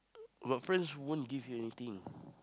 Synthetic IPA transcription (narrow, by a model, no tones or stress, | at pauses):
batfɹɛ̃nswõnɡivjuɛnit̪ĩŋ